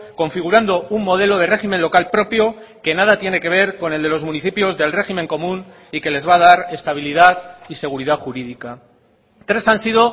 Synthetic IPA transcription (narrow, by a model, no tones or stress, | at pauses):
ko̞ɱfiɣ̞uɾand̪o̞umːo̞ð̞e̞lo̞ð̞e̞re̞ximẽ̞nlo̞kalpɾo̞pjo̞ke̞nað̞at̪je̞ne̞ke̞β̞e̞ɾko̞ne̞ld̪e̞lo̞zmuniθipjo̞zðe̞lre̞ximẽ̞ŋko̞mũn | ike̞le̞zβað̞aɾe̞st̪aβ̞ilið̞aðise̞ɣ̞uɾiðaxuɾiðika | t̪ɾe̞sansiðo̞